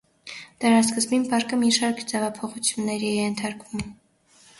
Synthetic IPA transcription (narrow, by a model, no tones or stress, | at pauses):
d̪̥əɾɑskəzbinpɑɾkəmiʃɑɾkʰd͡zɛvɑpʰɔχut͡sʰjunːɛɾiɛjɛnt̪ʰɑɾkvum